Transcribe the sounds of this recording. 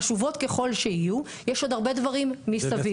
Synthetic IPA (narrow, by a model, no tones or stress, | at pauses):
ʃuvo̞t̪ke̞χo̞lʃeiju | jeʃo̞d̪aʁbe̞dvaʁimːissavi